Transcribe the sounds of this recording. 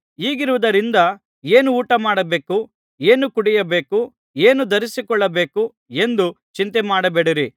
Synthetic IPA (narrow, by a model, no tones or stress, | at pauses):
iːɡiɾuʋɐd̪ɐɾind̪ɐ | e̞ːnuːʈɐmaːɽɐbe̞ːku | eːnukuɽijɐbe̞ːku | eːnud̪ɐɾisikɔɭːɐbe̞ːku | e̞nd̪ut͡ʃint̪emaːɽɐbeɽiɾi